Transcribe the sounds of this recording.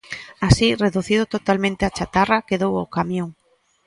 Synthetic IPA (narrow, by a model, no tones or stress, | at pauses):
asireðuθiðʊt̪ot̪almẽnt̪ɪat͡ʃat̪arakeðowakamjõŋ